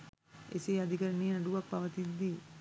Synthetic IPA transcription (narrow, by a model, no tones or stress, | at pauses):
ḛsiːad̪ikəɾəneːnaɖuʋak̚paʋət̪ind̪i